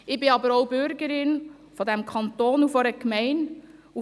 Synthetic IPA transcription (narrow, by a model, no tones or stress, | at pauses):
ɪbɪɑbəɾoʊbʏɾɡəɾɪn | fɔdɛmkʰɑntoːnufɔɾəkmɛɪn | u